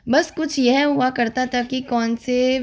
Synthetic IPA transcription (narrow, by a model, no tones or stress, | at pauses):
bɐskʊt͡ʃʰjɛɦɦuakɐɾt̪at̪ʰakikɔːnse